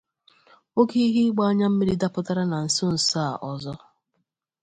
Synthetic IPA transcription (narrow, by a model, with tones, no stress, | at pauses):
o˦ke˦i˦ɦi˦ɡ͡ba˦ɲa˦m̩˦me˦ɾi˦da˦pʊ˦ta˦ɾa˦na˨n̩˨so˦n̩˨sa˦˨ʔɔ˨zɔ˦